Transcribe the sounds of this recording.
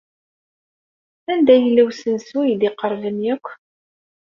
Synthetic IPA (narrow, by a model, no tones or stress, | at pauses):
ænd̪æjəlːæwsənsujd̪ɪqəɾˤvəmjækʷː